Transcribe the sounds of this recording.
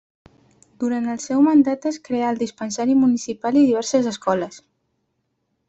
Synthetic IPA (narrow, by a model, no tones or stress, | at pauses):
d̪̥uɾant̪əlˠsɛwmənd̪at̪əskɾeaəlˠd̪ispənsaɾimunisipaliðiβɛɾsəzəskɔləs